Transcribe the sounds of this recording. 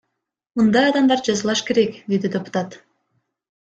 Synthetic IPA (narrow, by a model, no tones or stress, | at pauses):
mund̪ɑjɑd̪ɑmd̪ɑɾd͡ʒɑzɯlˠɑʃke̞ɾekd̪e̞d̪id̪ʲepʊ̥t̪ɑt̪